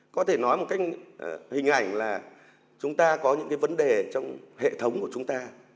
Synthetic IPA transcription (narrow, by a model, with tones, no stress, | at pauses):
kɔ˨˦t̪ʰe˧˩nɔ˨˦jmo˨˩ka˦jkhï˨˩ŋ̟ʔa˧˩jŋ̟laː˨˩ | t͡ɕʊ˨˦ŋ͡mt̪aː˧kɔ˨˦ɲɨ̰˧˥ŋka˨˦jvə˨˦nɗe˨˩t͡ɕɔ˧wŋ͡mhḛ˧˨t̪ʰə˨˦wŋ͡mku˧˩ət͡ɕʊ˨˦ŋ͡mt̪aː˧